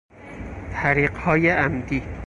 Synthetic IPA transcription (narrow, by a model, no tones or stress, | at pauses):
t̪ʰæɾiːɢhɒːjeʔæmd̪iː